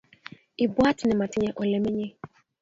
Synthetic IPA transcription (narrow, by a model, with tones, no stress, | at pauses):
ɪ˨bwa˦tɪ˨nɪ˨ma˨tɪ˦ɲɛ˦ʔɔ˨lɛ˨mɪ˦ɲe˦